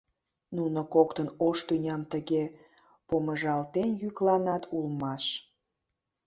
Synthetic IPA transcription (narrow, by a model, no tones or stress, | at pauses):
nunokokt̪ənoʃt̪ynʲɑmt̪əɣe | poməʒɑlt̪enjyklɑnɑt̪ʰulmɑʃ